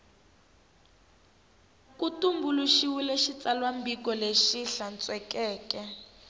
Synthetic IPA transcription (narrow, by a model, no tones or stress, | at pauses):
kutumbuluʃiwuleʃit͡salwambik̬ɔleʃiɬant͡sʼwɛkɛːkɛ